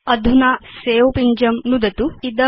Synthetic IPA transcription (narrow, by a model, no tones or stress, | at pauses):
ɐd̪ʱunaːseːʋopiɲd͡ʒɐmnud̪ɐt̪uid̪ɐ